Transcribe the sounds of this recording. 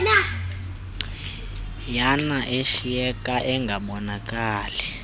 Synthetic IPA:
na | janaʔeʃijɛkʼaʔɛŋɡʱaɓɔnakʼaːlɛ

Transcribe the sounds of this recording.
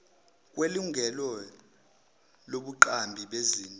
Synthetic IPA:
k̬ʼweluŋɡʱɛlɔ | loɓuǃambʱiɓeziːnʼ

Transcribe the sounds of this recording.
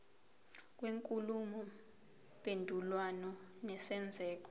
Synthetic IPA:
k̬ʼweŋkʼulumɔ | pʼendʱulwanɔnɛsɛnd͡zʱɛːk̬ɔ̥

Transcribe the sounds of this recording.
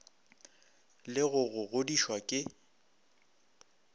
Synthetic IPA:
lɪɣʊɣʊɣodiʃwakʼɪ

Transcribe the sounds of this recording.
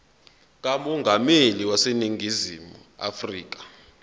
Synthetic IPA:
k̬amɔŋɡʱameliwaseniŋɡʱizimu | a̰friːk̬ḁ

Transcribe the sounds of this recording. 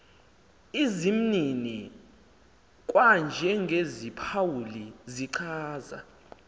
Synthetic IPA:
izim̩nini | kʼwand͡ʒʱɛŋɡʱezipʰawuliziǀʰaːza̰

